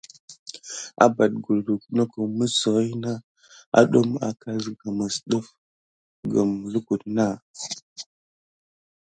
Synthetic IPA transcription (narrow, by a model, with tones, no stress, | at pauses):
a̰˨ba˨d̚ɡu˨ldu˨kno˦ko˨mə˦sə˨ɣi˦na˦ | a̰˨˦ɗo˦ma̰˨kʰa˦zɡa˨ma˨sɗə˦f | ɡə˨mlu˦ku˨dna˦